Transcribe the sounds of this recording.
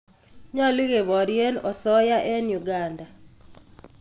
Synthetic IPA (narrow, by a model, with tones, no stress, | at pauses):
ɲɔ˦li˦ɣe˨βɔ˨ɾje˦nɔ˨sɔ˦ja˦ʔɛ˦nju˨ɡanda˨